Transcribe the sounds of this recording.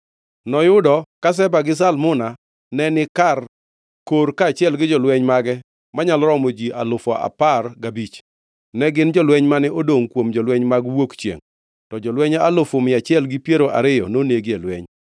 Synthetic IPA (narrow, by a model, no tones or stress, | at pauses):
nɔjʊdɔkas̬ɛbaɡɪs̬almʊna | nɛnɪkar | koɾkaːt͡ʃɪɛlɡɪd͡ʒɔlwɛɲmaɡɛ | maɲalɾɔmod͡ʒiʔa̰lʊfɔa̰parɡabit͡ʃ | nɛɡɪnd͡ʒɔlwɛɲmanɛʔodoŋkwomd͡ʒɔlwɛɲmaɡwokt͡ʃjḛŋ | tɔd͡ʒɔlwɛɲalʊfɔmɪat͡ʃɪɛlɡɪpjeɾoʔa̰ɾɪjɔnoneɡelwɛɲ